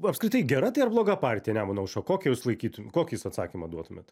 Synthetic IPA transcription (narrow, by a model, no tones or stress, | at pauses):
ɐpskɾʲɪt̪ɐɪɡʲɛɾɐt̪ɐɪɐrblˠoːɡɐpɑɾʲt̪ʲijɛnʲæːmʊnɐʊʃokoːkʲɛjuːslˠɐɪkʲiːt̪ʊmʲkoːkʲjisɐt̪sɑ̰ːkʲimɐd̪uɔt̪ʊmʲet̪